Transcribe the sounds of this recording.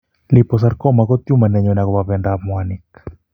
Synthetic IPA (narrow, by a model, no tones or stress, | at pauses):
lipɔs̬aɾkɔmakɔt̪jumanɛɲɔnakɔbapɛndamwanik